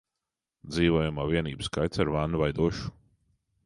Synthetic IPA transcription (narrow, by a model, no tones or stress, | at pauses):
d̪ziːvɔɔjumaːviɛniːbɨskajt̪saɾvanuvajd̪uɔʃu̥